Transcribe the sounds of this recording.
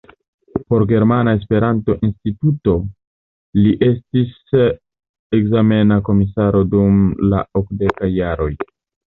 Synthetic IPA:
po̞ɾɡe̞ɾmanae̞s̬pe̞ɾʔanto̞ʔinstituto̞ | liʔe̞stis | ekzame̞nako̞misaɾo̞dumla̰okde̞kajːaɾo̞j

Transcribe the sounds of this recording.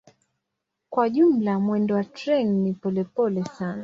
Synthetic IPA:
kwaʄum̩lamwɛndɔwatɾɛnnipɔlɛpɔlɛsana

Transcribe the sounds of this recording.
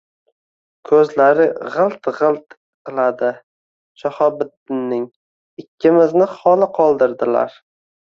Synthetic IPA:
kʰɵzlaɾɪʁɨlˠt̪ʁɨlˠt̪ | qɨlˠad̪ɪ | t͡ʃʰɒhɒbɪt̪ːɪnːɪŋ | ɪkʲʰːɪmɪznɪχɒlɪqʰɒlˠd̪ɪɾd̪ɪla̰ɾ

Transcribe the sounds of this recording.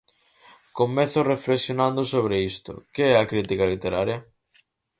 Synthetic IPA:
komɛθʊrefleksjonãnd̪ʊsoβ̞ɾeist̪ʊ̰keɛɐkɾit̪ikɐlit̪eɾaɾjɐ

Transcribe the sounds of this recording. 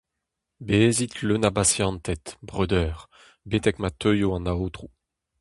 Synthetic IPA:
bezit̪lønabasjɑ̃nt̪ɛt̪bʁød̪œːʁ | bet̪ɛkmat̪øjoɑ̃naoːt̪ʁu

